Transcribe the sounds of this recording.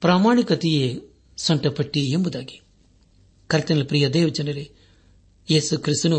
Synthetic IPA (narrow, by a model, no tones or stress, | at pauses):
pɾaːmaːɳikɐt̪ije | sɐɳʈɐpɐʈːiembud̪aːɡi̥ | kɐɾt̪ɐnɐlpɾijɐd̪eːʋɐd͡ʒɐnɐɾe | jeːsukɾist̪unu